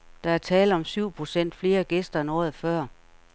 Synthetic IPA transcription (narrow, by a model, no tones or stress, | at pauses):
d̥ɑ̈æɐt͡sʰɛːlð̩ˠɒ̽msyʊ̰pʰʁo̝sen̰d̥fle̝ːɐɡ̥esd̥ɐenɒ̰ːð̩ˠfɶɐ̰